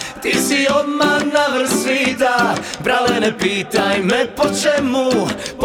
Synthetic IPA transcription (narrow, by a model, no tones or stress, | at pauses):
t̪isiɔd̪manavr̩siːd̪abɾalɛnɛpiːt̪ajmɛpɔt͡ʃɛmup